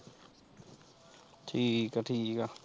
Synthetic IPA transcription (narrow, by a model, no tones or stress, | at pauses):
tʰikaʈʰiːka